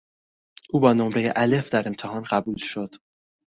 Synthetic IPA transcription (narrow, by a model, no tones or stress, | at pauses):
ʔuːbɒːnomɾe̞jḛʔæle̞fd̪æɾe̞mt̪ʰeɦɒːnɢæbuːlʃo̞d̪̥